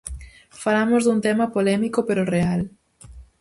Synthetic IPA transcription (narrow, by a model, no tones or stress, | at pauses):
falamozðunt̪emapolɛmikopeɾoreal